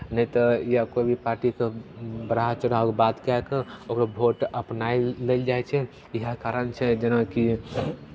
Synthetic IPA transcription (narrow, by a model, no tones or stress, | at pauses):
nəit̪ɔijakobʱipaːɾʈikebɾaɦt͡ʃʊɽakbat̪kakeokɾabʱoʈəpnaileld͡ʒajt͡ʃʰɛ | iɦəkaɾənt͡ʃʰɛd͡ʒənaki